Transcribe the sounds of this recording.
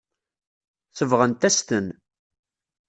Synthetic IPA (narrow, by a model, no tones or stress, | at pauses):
θəvʁənt̪æst̪ən